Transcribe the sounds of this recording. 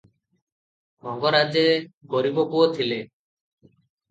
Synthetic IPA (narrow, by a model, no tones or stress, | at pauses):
bʱɔŋɡɔɾad͡ʒeɡɔɾibɔkuɔt̪ʰile